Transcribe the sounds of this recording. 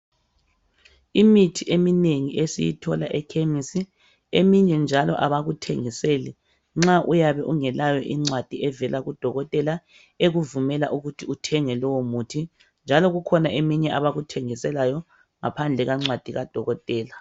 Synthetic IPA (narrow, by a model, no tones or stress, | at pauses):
imitʰiʔemineŋiʔesijḭtʰɔlaʔɛkʰemisi | emiɲɛnd͡ʒʱalɔ̰ʔaβaɣutʰeŋiselɛ | ŋ͡ǁaʔujaβɛʔuŋɛlajɔʔiŋ͡ǀwad̥ʱiɛvɛlaɣud̥ʱɔɣɔtʼɛla | eɣuvumɛlaʔuɣutʰiutʰɛŋɛlɔwɔmuːtʰi | nd͡ʒʱalɔɣukʰɔnaʔemiɲɛʔaβaɣutʰeŋisɛlajɔ | ŋapʰand͡ɮʱɛɣaŋ͡ǀwad̥ʱiɣad̥ʱɔɣɔtʼɛːla